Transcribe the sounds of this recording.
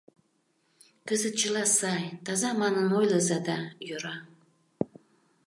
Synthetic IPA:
kɨzɨt̚t͡ʃʰɨlasajt̪ʰazamanɨnojlɐzad̪ajɨɾa

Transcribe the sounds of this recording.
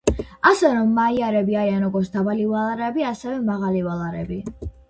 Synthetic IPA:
asɛɾɔmːaiaɾɛbiaɾianɔɡɔɾsd̪abalivalˠaɾɛbiasɛvɛmaʁalivalˠaɾɛbi

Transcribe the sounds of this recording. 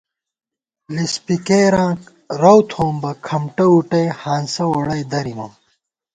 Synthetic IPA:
lispikeːɾãːk | ɾɐwt̪ʰoːmbɐkʰɐmʈɐuʈɐjhaːnsɐwoɽɐjd̪ɐɾimɐm

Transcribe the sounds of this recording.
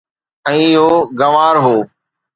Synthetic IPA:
ɛ̃ːɪɦoːɡɐʋaːɾɦoː

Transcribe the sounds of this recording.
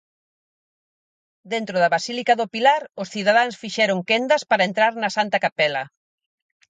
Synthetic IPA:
d̪ent̪ɾʊðɐβasilikɐðʊpilaɾʊsθiðaðansfiʃɛɾʊŋkend̪ɐspaɾɐent̪ɾaɾnɐsant̪ɐkapɛlɐ

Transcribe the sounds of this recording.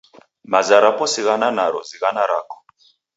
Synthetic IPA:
mazaɾapɔsiɣananaɾɔziɣanaɾakɔ̥

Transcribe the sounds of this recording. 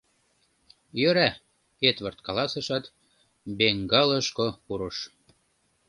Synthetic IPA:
jøɾæ | et̪βɤ̆rt̪kɑlɑsə̆ʃɑt̪ | beŋɡɑlɤ̆ʃkopuɾɤ̆ʃ

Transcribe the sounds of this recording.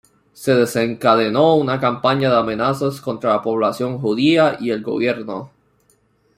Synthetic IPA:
se̞ðe̞se̞ŋkaðeno̞unakampaɲaðeame̞nasasko̞nt̪ɾalapo̞β̞lasjo̞ŋxuðiaʔie̞lɡo̞̰βje̞ɾno̞

